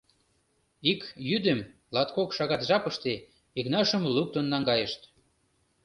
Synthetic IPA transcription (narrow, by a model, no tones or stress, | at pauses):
ikjyd̪ə̆m | lɑt̪kokʃɑɣɑt̪ʒɑpəʃt̪e | iknɑʃəmluk̚t̪ənːɑŋɡɑjəʃt̪